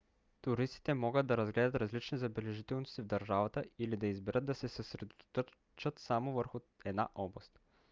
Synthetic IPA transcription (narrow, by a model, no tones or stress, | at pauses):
t̪ʊɾist̪i̥t̪ɛmɔɡəd̪̚d̪ɐɾɐzɡlɛd̪ɐt̪ɾɐzlit͡ʃnizɐbɛlɛʒit̪ɛlˠnʊst̪ivd̪ɐɾʒavət̪əilid̪ɐizbɛɾət̪̚d̪ɐsɛsəsɾɛd̪ot̪o̥t̪o | t͡ʃət̪samovəɾxʊ | ɛd̪na̰ʔɔblˠɐst̪